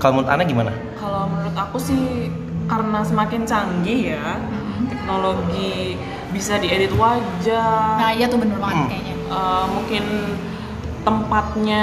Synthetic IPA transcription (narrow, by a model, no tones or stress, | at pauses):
kaloməɾʊt̪a̰naɡimana | kaloməɾʊt̪akusɪh | karənasəmakɪnt͡ʃaŋɡija | t̪ɛk̚noloɡi | bisadiedit̪uad͡ʒarajat̪uhbənʊrmakaɲaʔəmuŋkɪn | t̪əmpat̪̚ɲa